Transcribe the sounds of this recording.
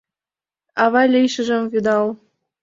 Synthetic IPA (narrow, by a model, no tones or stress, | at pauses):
ɑβɑlʲijʃə̆ʒə̆mvyd̪ɑl